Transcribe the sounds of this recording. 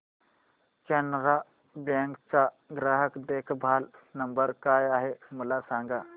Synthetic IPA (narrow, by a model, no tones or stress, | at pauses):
kɛnɾa | bɛ̃ŋkt͡sa | ɡɾaɦəkɖekʰbʱalnəmbəɾkajaɦeməlasãŋɡa